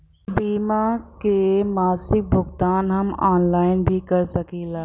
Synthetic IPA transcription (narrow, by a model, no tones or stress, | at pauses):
biːmakemaːsɪk̚bʱʊɡt̪aːnɦɐmaːnlaːɪnbʱikɐɾsɐkiːlaː